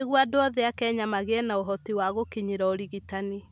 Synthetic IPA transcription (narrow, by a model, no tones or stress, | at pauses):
eɣwadoɔðɛakɛɲamaɣeɛnaoɦɔtiwaɣokeɲeɾaoɾiɣitani